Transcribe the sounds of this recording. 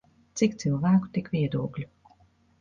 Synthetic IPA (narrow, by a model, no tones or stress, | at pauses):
t̪sikt̪silˠvæːku̥t̪ikvʲiɛd̪uɔklʲu